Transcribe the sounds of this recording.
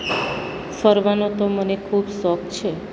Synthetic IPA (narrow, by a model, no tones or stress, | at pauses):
fəɾʋanot̪omənekʰuːbsɔk̚t͡ʃʰe